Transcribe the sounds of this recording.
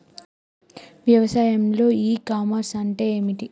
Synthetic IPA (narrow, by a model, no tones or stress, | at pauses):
ʋjɐʋɐsaːjɐmlo̞ːiːkaːmɐɾsɐɳʈeeːmiʈi